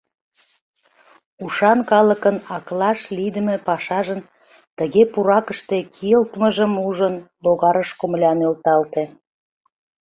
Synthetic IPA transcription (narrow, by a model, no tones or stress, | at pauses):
uʃɑnkɑləkənɑklɑʃlid̪əmepɑʃɑʒən | t̪əɣepuɾɑkəʃt̪ekʰijəlt̪məʒəmuʒənloɣɑɾəʃkomlʲɑnølt̪ɑlt̪e